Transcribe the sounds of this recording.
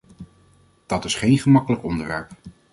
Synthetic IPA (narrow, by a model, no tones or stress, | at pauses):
d̥ɑtɪsχejnχəmɑkələkɔndəʋɛ̰ɹp